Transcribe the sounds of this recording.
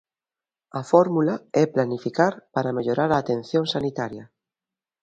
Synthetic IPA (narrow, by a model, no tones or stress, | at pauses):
ɐfɔɾmulaɛplanifikaɾpaɾameʎoɾaɾaːt̪en̟θjõŋsanit̪aɾjɐ